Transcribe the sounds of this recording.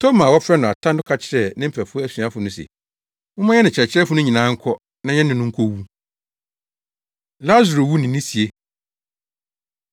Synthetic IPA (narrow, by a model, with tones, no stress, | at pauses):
tʰo˦mã˨wɔ˦fɾɛ˦nʊ̃˨a˨tʰã˦n˦dʊ˦kʰa˨t͡ɕʰɪ˨ɾɛ˨nɪ̃˦m̩˦pʰæ˨fʊ˦ɔ˦æ˦sɥa˦fʊ˨nʊ̃˦sɛ̰˨ | wʊ̃˦mã˦ɛ˦nɪ̃˨t͡ɕʰɪ˨ɛ˨t͡ɕʰɪ˦ɾɛ˦fʊ˦nʊ̃˦ɲĩ˨nã˨˦ŋ̩˦kʰɔ˦ | nã˦ɲɛ̃˦nɪ̃˨nʊ̃˦ŋ̩˦kʰo˦wu˦ | la˦zu˨ɾo˨wu˦nɪ̃˨nːɪ̃˦si˨e˦